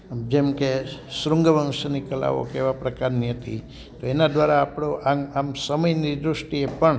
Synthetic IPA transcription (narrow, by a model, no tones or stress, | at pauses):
d͡ʒemkesɾʊŋɡəʋəŋʃənikəla̰ʋo̰keʋapɾəkaɾniɦət̪ḭ | t̪oenad̪ʋaɾaːpɽ̃oʔamamsəməjnid̪ɾʊʃʈiepəɳ